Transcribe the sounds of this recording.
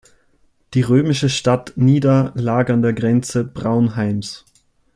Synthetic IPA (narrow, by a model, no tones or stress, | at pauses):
d̥iːʁøːmɪʃəʃtatniːdɐlaːɡəandeːɐɡʁɛnt͡səbʁaʊnɦaɪms